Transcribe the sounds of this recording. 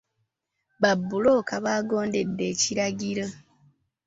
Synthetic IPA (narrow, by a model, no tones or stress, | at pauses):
βabːulo̞ːkaβaːɡo̞ːnde̞dːe̞ːciɾaɟiɾo